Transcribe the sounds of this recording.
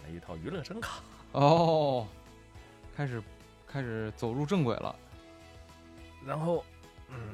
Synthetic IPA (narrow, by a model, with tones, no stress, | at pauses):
a̰˧i˧t̪ʰɑ˥˩ʊy˧˥lɤ˥˩ʂə˥ŋkʰɑ˨˩˦ | ɔ˥˧ | kʰa˥ɪʂɻ̩˨˧˩ | kʰa˥ɪʂɻ̩˨˧˥t͡so˨˩ʊɻu˥˧ʈ͡ʂɤ˥˩ŋkwe˨˩ɪlʔə̰˦ | ɻa˧˥nxo˥˩ʊ | n̩˥˩